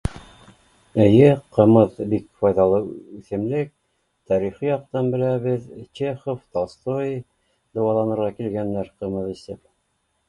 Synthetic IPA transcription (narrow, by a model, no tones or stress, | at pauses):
ɘ̆jɘqɤ̆mɤðbikfɑjðɑlˠɤʉθɘ̆mlɘk̚ | t̪ɑɾiχijɑq̚t̪ɑnbɘ̆læβɘðt͡ɕeχoft̪ɑst̪oj | d̪ɤ̆wɑlˠɑnɤ̆ɾʁɑkilɡænːæɾqɤ̆mɤðisɘp̚